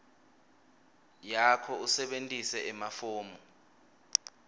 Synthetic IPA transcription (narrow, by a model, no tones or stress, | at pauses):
jakʰɔusɛɓentʼisɛʔɛmafoːmɔ